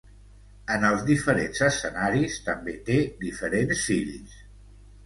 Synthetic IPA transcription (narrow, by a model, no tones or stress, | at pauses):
ənəlˠzðifəɾenzəsənaɾist̪əmbet̪ed̪ifəɾensːilis